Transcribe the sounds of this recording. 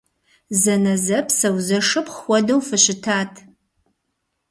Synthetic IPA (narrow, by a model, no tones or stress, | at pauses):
zɐnɐzɐpʰsɐwzɐʂɨpχʷɔdɐwfɨɕɪtʰaːtʰ